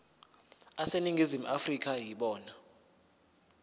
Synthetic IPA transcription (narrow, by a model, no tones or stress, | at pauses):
aseniŋɡʱizimuʔafrik̬ʰʼajiɓɔːna